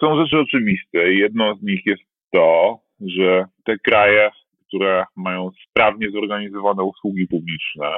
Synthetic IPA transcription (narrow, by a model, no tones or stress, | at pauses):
sɔ̃w̃ʐɛt͡ʂɘɔt͡ʂɘvʲist̪ɛjɛd̪nɔ̃w̃zɲixjɛst̪ːɔ | ʐɛt̪ɛkɾajɛ | kt̪uɾɛmajɔ̃w̃spɾavɲɛzɔɾɡaɲizɔvanɛuswuɡʲipublʲit͡ʂnɛ̰